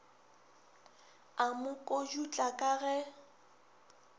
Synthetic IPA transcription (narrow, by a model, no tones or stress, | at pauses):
amʊkʼod͡ʒut͡ɬʼakʼaɣɛ